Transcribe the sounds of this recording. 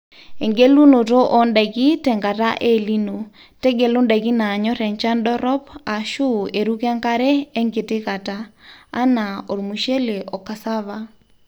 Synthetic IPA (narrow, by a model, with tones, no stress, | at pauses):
e˨ŋɡe˦lu˦no˨to˦ʔɔ˨nda˨ki˦tɛ˨ŋɡa˨ta˦ʔe˦li˦no˨ | tɛ˦ɡe˨lu˦nda˨ki˦na˨ɲɔ˦ɾɛ˨ɲt͡ʃa˦ndɔ˦ɾɔ˦pa˨ʃu˦e˨ɾu˦ka˦ŋka˦ɾɛː˦ŋɡɪ˨tɪ˦ka˨taː˦na˨o˨ɾmu˨ʃe˦le˨ʔɔ˨ka˨sa˦βa˦